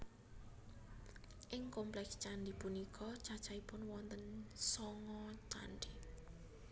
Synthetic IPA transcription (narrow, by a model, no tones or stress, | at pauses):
ʔɪŋkomplɛkst͡ʃanɖipunikʰɔt͡ʃḁt͡ʃaipʊnwɔnt̪ənsɔŋɔt͡ʃa̰nɖi